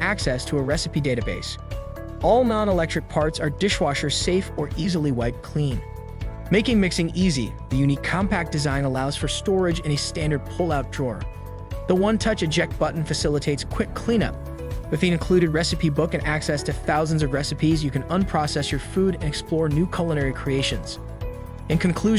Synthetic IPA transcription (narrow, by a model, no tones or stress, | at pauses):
æksɛstʰəːɹɛsɨpideɪɾɨbeɪs | ɔlˠnɑ̃ʊ̃ñəlɛk̚tɹ̥ɨk̚pʰɑɹtsə˞dɪʃwɑʃə˞z̥seɪfə˞ʔizl̩ˠiwaɪd̚kʰl̥ĩn | meɪkɪ̃ŋmɪksɪ̃ŋizḭ | ðɨjʉnikʰɑ̃mpæk̚d̥ɨzãɪ̃nəlaʊz̥fə˞stɔɹɨd͡ʒɨ̃ñɨstæ̃ndə˞d̚pʰʊlˠaʊt̚d̥ɹɔɹ | ðəwʌ̃ntʰʌt͡ʃɨd͡ʒɛk̚t̚b̥ʌʔn̩fɨsɪlˠətʰeɪtskʰw̥ɪkʰl̥ĩñʌ̰p̚ | wɨθiɨ̃nkʰl̥ʉɾɨd̚ɹɛsɨpʰibʊkɨ̃næksɛstʰɨθaʊz̃n̩zʌvɹɛsɨpʰizjɨkʰɨ̃nʌ̃npʰɹ̥ɑsɛsjə˞fuɾɨ̃nɨksplɔɹnʉkʰʌlˠəñɛɹikʰɹ̥ieɪʃɨ̃nz̥ | ɨ̃nkʰɨ̃nkʰl̥ʉʒ